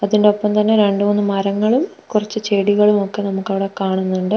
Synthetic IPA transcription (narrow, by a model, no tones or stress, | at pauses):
ɐðindeo̞pːɐmt̪ɐnːe̞ɾe̞ɳɖuonːɨmɐɾɐŋːɐɭum | kurɐt͡ɕːɨt͡ɕeːɽiɣɐɭumo̞kːe̞nɐmukːɐʋiɽekaːɳunːuɳɖɨ